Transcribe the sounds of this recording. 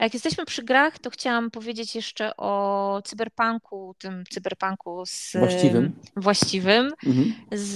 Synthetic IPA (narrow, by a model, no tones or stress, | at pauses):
jakjɛst̪ɛɕmɘpʂɘɡɾaxt̪ɔxt͡ɕawampɔvʲjed͡ʑet͡ɕjɛʂt͡ʂɛʔɔt̪sɨbɛɾpaŋkʰut̪ɘmt̪sɨbɛɾpaŋkuz̥ivɘmvwaɕt͡ɕivɘm̩z